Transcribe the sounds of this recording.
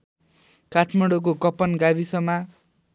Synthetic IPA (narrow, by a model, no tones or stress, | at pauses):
kaʈʰmʌɽok̬okʌpʌnɡabisʌma